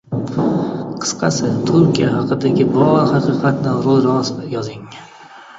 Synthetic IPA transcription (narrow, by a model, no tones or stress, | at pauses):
qʰɨ̥sqʰɑsɪt̪ʰʊɾkʲijahɑqɨd̪aɡʲɪbɒɾhɑqʰɨqʰɑt̪nɪɾolˠɾɒsjɒzɪŋ